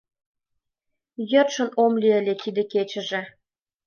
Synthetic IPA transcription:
jərʃə̆nomlʲiə̆lʲet̪id̪ĕket͡ɕə̆ʒĕ

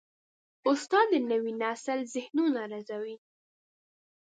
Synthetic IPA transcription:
ʊst̪ɑd̪ənəwinasəlzɪhnunaɾazawi

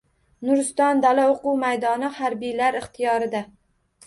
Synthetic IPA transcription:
nʊɾst̪ɒnd̪alaoqʊwmajd̪ɒnɪhaɾbijlaɾɪχt̪ʰijɒɾɪd̪a

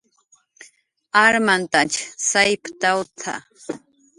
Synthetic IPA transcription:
aɾmant̪at͡ʃsajpt̪awt̪ʰa̰

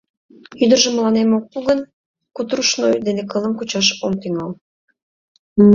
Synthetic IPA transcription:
yd̪ərʒə̆məlɑnemok̚puɣən | kut̪ɾuʃnojd̪enekɤlə̆nkut͡ɕɑʃomt̪yŋɑl

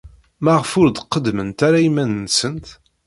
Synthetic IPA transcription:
mæʁfʊɾd̪qːəd̪mənt̪aɾaimænnsənt̪

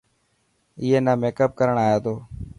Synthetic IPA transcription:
ɪjeːnaːmeːkəp̚kəɾəɳaːjeːt̪oː

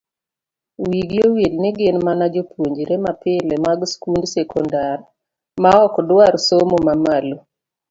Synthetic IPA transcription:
wiɡjowelnɪɡɪnmanad͡ʒopwoɲd͡ʒiɾemapɪlɛmaɡskundsɛkɔndar | maɔkɔdwaɾsomomamalo

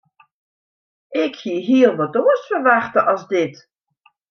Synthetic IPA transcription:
ɪkhiəɦiəlˠvɔtoːəsfərʋaxtəʔɑzdɪt

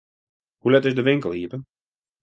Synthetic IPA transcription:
hulɛtɪzdəʋɪŋkəlˠhiːpən

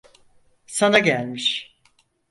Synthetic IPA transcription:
sanaɟælʲmiʃ

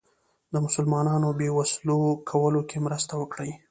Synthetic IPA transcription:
d̪əmʊsʊlmɑnɑnobewaslokʰawəlokʰemɾəst̪awəkɽəj

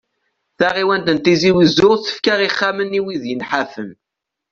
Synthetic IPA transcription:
θaʁiwænt̪ənt̪iziwəzʊʁθə̥fkaʁiχːamənːiwiðjənħafəm

